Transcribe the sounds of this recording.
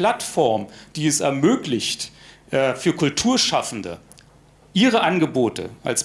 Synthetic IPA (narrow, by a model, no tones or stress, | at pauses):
latfɔɐmd̥iːɛsɛ̰ɐmøːklɪçtʔɛːfyːɐkʰʊltʰuːɐʃafn̩də̰ | ʔiːʁəʔanɡəboːtʰə̰ʔa̰ls